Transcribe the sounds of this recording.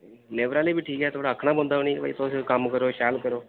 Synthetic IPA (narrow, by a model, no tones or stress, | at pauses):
neːʋɾaːleːbiːʈʰiːkɦɛːt̪ʰoːɽaːəkʰːnaːbõnd̪aːɦoːniːkpa̰ːḭːt̪ʊskəmkəɾoːʃɛːlkəɾoː